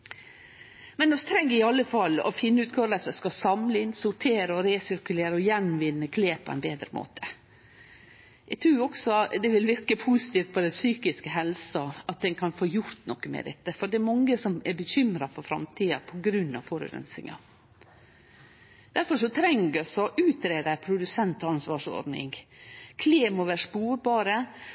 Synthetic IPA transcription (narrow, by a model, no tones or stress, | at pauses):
mɛnɔst̪ʰɾɛŋːɪɑlːəfɑlːɔ̰fɪnːəʉːt̪̚ɡɑːʋləsɔskɑsɑmlɪnsʊʈʰeːɾəɔɾeːsʏɾkʉleːɾəɔjɛnʋɪnːəkʰleːpʰɔɛ̰nbeːd̪ɾəmʔo̰ːt̪ʰə̥ | ɛɡ̚t̪ʰɾʉːɔksɔd̪ɛʋɪlʋɪɾkəpʰuːsɪ̥t̪iːft̪̚pʰɔd̪ɛnsyːkɪskəɦɛlsɑɑt̪̚d̪ɛnkʰɑnfoːjʊɾt̪nɔkːəmɛ̰d̪ɛt̪ːəfɔɖɛæɾmɑŋːəsɔmɛɾbəçʏmɾɑfɔɾfɾɑ̰mt̪ʰiːɑpʰɔɡɾʉnːɑ̰ʋfɔɾʉ̰ɾɛ̰nsɪ̰ŋɑ̰ | d̪̥æɾfɔʂɔt̪ʰɾɛŋɡəsɔʔʉːt̪ɾeːd̪æpʰɾʊd̪ʉsɛnt̪ɑnsʋɑʂɔ̰ɾɖnɪ̰ŋkʰleːmɔʋæːʂpuːɾbɑːɾə